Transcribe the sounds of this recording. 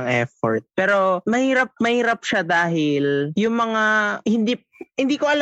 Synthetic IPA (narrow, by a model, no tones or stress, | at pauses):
ŋʔɛfo̰ɹt̪̚pɛːɾo̞mɐhiːɾɐp̚mɐhiːɾɐp̚ʃad̪aːɦɪljʊŋmɐŋahɪnd̪iː | hɪnd̪iːkoʔɐl